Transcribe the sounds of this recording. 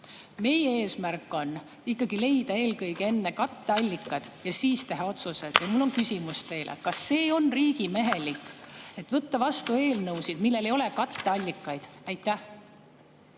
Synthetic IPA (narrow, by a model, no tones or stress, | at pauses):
me̞jee̞ːsmærkːˑo̞nː | ikːɑɡ̥ile̞jd̪̥ɑe̞ːlkɤjɡ̥ee̞nːe̞kɑt̪ːe̞ɑlʲːikˑːɑd̪̥jɑsiːst̪e̞ɦɑo̞t̪suse̞d̪̥jɑmulːo̞nkysʲimust̪e̞jlʔḛkɑsːe̞ːo̞nriːɡ̥ime̞ɦe̞likːe̞t̪ːvɤt̪ːɑvɑst̪ue̞ːlnɤwsid̪̥milːe̞lejo̞lekɑt̪ːeɑlʲːikːˑɑjd̪̥æjt̪ːˑæh